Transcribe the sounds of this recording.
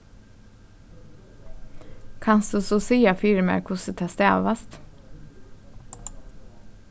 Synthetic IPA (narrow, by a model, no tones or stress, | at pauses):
kʰɑnsd̪̥ʉːsuːsiːɑfiːɾəmæ̰kʰʊsət̪ʰɛst̪eːɑ̰ʋɑst̪